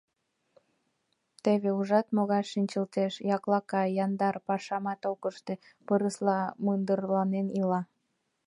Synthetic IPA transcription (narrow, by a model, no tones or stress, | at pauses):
t̪eβeuʒɑt̪moɣɑʃːinʲt͡ɕəlt̪eʃjɑklɑkɑjɑnd̪ɑrpɑʃɑmɑt̪okəʃt̪e | pəɾəslɑmɯnd̪ərlɑnenilɑ